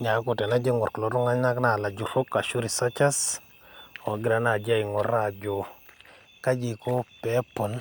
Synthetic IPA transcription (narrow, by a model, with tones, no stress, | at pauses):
ɲa˨˦kʊ˨tɛ˨na˦d͡ʒe˦ŋɔ˨ɾklɔ˨˦ɾʊ˦ŋa˦ɲa˦kna˨la˨d͡ʒu˨ɾo˦ka˨ʃu˦ɾi˨sa˦t͡ʃa˦s | ɔ˨˦ɡɪ˦ɾa˨na˨d͡ʒa˦˨ɪ˨ŋɔ˨ɾa˨d͡ʒo˨ | ka˦d͡ʒi˨ko˦pɛ˨˦pɔ˨n